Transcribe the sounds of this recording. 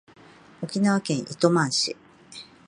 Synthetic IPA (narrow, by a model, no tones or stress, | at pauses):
o̞kʲinaβakẽ̞ɰ̃ʔit̪o̞mãɰ̃ɕḭ